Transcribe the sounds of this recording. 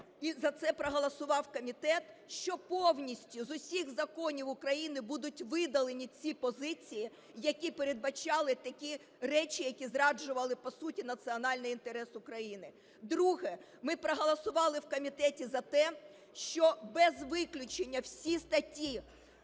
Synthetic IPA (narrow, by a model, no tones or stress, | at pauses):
izɐt̪sɛpɾɔɦɐlˠɐsʊʋɑwkɔmʲit̪ɛt̪ʃt͡ʃɔpɔwnʲisʲtʲʊzʊsʲiɣzɐkɔnʲiwʊkɾɐjinɪbud̪ʊtʲʋɪd̪ɐlˠenʲit͡sʲipɔzɪt͡sʲiji | jɐkʲipeɾed̪̚bɐt͡ʃɑlˠɪt̪ɐkʲi | rɛt͡ʃʲɪjɐkʲizɾɑd͡ʒʊʋɐlˠɪpɔsutʲinɐt̪sɨɔnɑlʲnɪjint̪eɾɛsʊkɾɐjinɪ | d̪ɾuɦɛ | mɪpɾɔɦɐlˠɐsʊʋɑlˠɪwkɔmʲit̪ɛtʲizɐt̪ɛ | ʃt͡ʃɔbɛzʋɪklʲʊt͡ʃenʲːɐwsʲist̪ɐtʲi